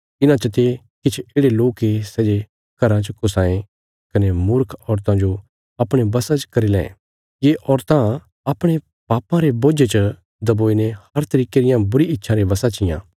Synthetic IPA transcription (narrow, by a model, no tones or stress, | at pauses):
ɪnãt͡ʃɐt̪e | kɪt͡ʃʰeːɽeloːkːesɛːd͡ʒe | kɐɾãt͡ʃəkʊsãːẽ | kɐnemʊɾkʰɔːɾt̪ãd͡ʒo | ɐpɽ̃ebɐsãt͡ʃkɐɾilɛ̃ | jeʔɔːɾt̪ã | ɐpɽ̃e | paːpãɾeboːd͡ʒet͡ʃə | d̪ɐboːinehɐɾt̪ɐɾiːkeɾɪjãbʊɾiɪtːʃʰãɾebɐsãt͡ʃɪjã̰ː